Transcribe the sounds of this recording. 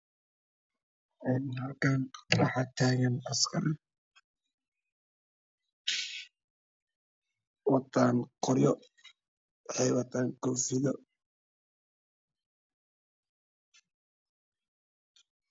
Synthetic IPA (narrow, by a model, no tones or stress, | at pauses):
ʔɛnɦɐlkʰanrɑħɑt̪ʰaːɣɐnɐskʰɐɾ | wɑt̪ʰaːŋqɔɾjɔ | ħɛjwɑt̪ʰaːŋkʰɔfɪðɔ